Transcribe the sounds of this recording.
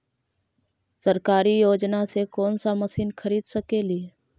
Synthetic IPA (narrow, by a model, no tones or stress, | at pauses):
səɾkaːɾijoːd͡ʒnasekɔːnsaməsiːnkʰɐɾiːd̪səkeːlie